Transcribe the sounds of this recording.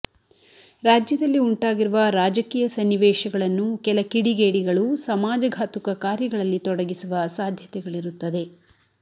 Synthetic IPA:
ɾaːd͡ʒjɐd̪ɐlːiuɳʈaːɡiɾuʋɐɾaːd͡ʒɐkiːjɐsɐnːiʋɛːʃɐɡɐɭɐnːukɛlɐkiɽiɡeːɽiɡɐɭusɐmaːd͡ʒɐɡʱaːt̪ukɐkaːɾjɐɡɐɭɐlːit̪ɔɽɐɡisuʋɐsaːd̪ʱjɐt̪ɛɡɐɭiɾut̪ːɐd̪e̞

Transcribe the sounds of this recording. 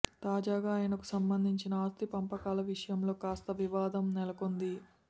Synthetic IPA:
t̪aːd͡ʒaːɡaːjɐnɐku̥sɐmbɐnd̪ʱiɲt͡ʃinɐaːst̪ipɐmpɐkaːlɐʋiʂɐjɐmlo̞ːkaːst̪ɐʋiʋaːd̪ɐmnɛlɐko̞nd̪i

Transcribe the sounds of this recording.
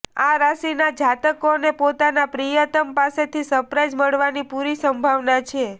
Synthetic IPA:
aɾasinad͡ʒat̪əkonepot̪anapɾijət̪əmpaset̪ʰisəpɾad͡ʒməɽʋanipuɾisəmbʱaʋnat͡ʃʰe

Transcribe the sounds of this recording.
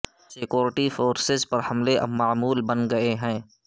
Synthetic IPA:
sɪkjoːɾɪʈifoːɾsɪzpɐɾhɐmleʔɐ̰bmaːmuːlbɐnɡɐeɦɛ̃ː

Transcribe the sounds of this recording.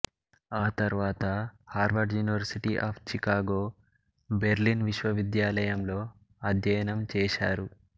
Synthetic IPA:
aːt̪ɐɾʋaːt̪ɐhaːɾʋɐɖjuːniʋɐɾsiʈiʔaːpʰt͡ʃikaːɡoː | beɾlinʋiʃʋɐʋid̪jaːlɐjɐmlo̞ː | ɐd̪ʱjɐjɐnɐmt͡ʃɛːʃa̰ːɾu

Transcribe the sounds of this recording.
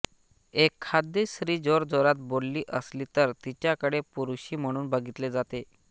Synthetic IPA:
ekʰːad̪ːisɾiːd͡zoɾd͡zoɾat̪̚bolːiːʔəsliːt̪əɾt̪it͡ɕjakəɽepuɾuɕiːm̤əɽ̃uːnbəɡʱit̪led͡zat̪e

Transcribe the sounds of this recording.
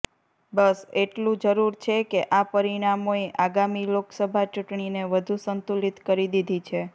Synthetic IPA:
bəseʈlũd͡ʒəɾuɾt͡ʃʰekeʔapəɾiɽ̃amoeʔaɡamiloksəbʱat͡ʃuʈɳineʋəd̪ʱusənt̪ulit̪kəɾid̪id̪ʱit͡ʃʰe

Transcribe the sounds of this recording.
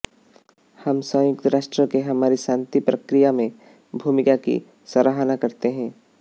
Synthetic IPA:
hɐmsə̃ːjʊkt̪ɾaːʃʈɾəkeɦɐmaːɾiʃãːnt̪ipɾɐkɾijamẽ | bʱuːmɪkakḭ | sɐɾaɦnakɐɾt̪eɦɛ̃ː

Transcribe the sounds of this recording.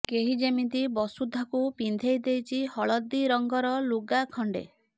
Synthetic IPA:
keɦid͡ʒemint̪ibɔsud̪ʱːɔkupind̪ʱejd̪ejt͡ʃʰihɔɭɔd̪iɾɔŋɡɔɾɔluɡakʰɔɳɖḛ

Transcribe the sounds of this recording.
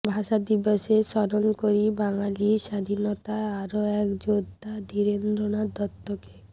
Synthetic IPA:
bʱaʃad̪ibɔʃeʃɔɾonkoɾibaŋaliʃad̪ʱinɔt̪aaɾoɛkd͡ʑod̪ʱad̪iɾend̪ɾoɽ̃ad̪ɔt̪ːoke

